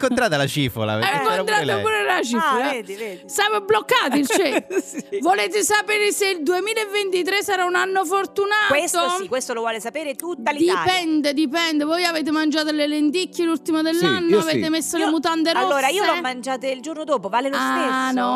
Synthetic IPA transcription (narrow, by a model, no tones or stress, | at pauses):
ŋkont̪ɾaːt̪alat͡ʃiːfo̰la̰kont̪ɾat̪apoɾeɾelat͡ʃiːfolad̪iveisamoblokːaːt̪ilt͡ʃevoleːt̪̬esapeːɾeseild̪uemiːlaevːent̪it̪ɾesːaɾaunanːofort̪unaːkwest̪oikːwest̪olovwɔːlesapeːɾet̪ut̪ːalid̪iapɛnd̪ed̪ipɛnd̪evɔjaveːt̪̬emand͡ʒaːt̪olelent̪ikʰːelult̪imod̪elːanːoaveːt̪emesːolemut̪ant̪̬eɾɔːlːoːɾaiːoɔmːand͡ʒaːt̪eild͡ʒornod̪oːpovaːlelosaenɔ